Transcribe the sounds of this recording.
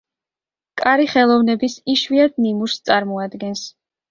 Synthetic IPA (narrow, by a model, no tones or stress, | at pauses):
kʼaɾiχɛlˠɔvnɛbisiʃwiad̪̚nimuɾst̪sʼaɾmɔad̪ɡɛns